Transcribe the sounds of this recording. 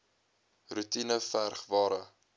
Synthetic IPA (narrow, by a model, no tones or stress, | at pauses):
rutinəfærχvɑːɾə